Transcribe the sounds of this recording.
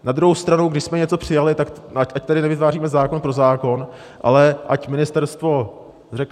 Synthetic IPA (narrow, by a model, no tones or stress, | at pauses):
nad̪ɾuɦowst̪ɾanuwɡdɪʃsmɛɲɛt͡so̞pr̝̥ɪjalɪt̪akacʔac̚t̪adɪnɛvɪt̪vaːriːmɛzaːko̞npɾo̞zaːko̞n | ʔa̰lɛʔa̰cmɪnɪst̪ɛɾst̪vo̞ | rɛk